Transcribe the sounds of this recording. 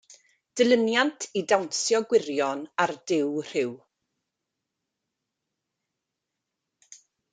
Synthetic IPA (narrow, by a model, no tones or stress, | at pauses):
d̥əlˠənjantʰidawnsjɔɡwɪɾjɔnard̥ɪwr̥ɪw